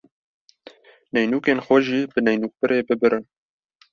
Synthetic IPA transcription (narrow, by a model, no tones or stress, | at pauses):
nɛjnuːkeːnxʷɛʒiːbɨnɛjnuːk̚bɨɾeːbɨbɨɾʔɨn